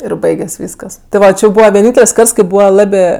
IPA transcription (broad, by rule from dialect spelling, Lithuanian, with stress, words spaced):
ɪr ˈbɐɪɡʲɛsʲ ˈʋʲiːskɐs tʲɪ ˈʋɐ ˈt͡ʃʲɪ jɛʊ ˈbuːʋɐ ʋʲiɛˈnʲiːnʲtʲɛlʲsʲ ˈkɐrts kɐɪ ˈbuːʋɐ ˈlˠɑːbʲeː